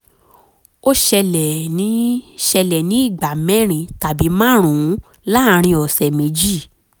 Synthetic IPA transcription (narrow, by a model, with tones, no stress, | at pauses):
o˦ʃɛ˧lɛ˨nĩ˨˦ʃɛ˧lɛ˨nĩ˨˦i˦˨ɡ͡ba˨mɛ̃˦ɾ̃ĩ˧ta˨bi˨˦mã˦ɾ̃ũ˨ũ˨˦ | la˦˧ɾ̃ĩ˧ɔ˨sɛ˨mĩ˨˦d͡ʒi˦˨